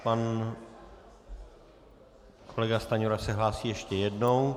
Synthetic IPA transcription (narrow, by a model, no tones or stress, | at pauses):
pan | kʰo̞lɛɡast̪aɲuɾasɛɦlaːsiːjɛʃcɛjɛdno̞w